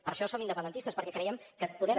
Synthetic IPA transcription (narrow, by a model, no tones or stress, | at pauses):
pəɾʃɔsomind̪əpənd̪ənt̪ist̪əspəɾkɛkɾɛiəmkəpuðeɾə